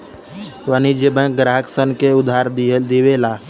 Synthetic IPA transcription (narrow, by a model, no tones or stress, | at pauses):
ʋənid͡ʒebə̃ɡɾaːɦəksənkeʊd̪ʱaːɾd̪iʋeːlaː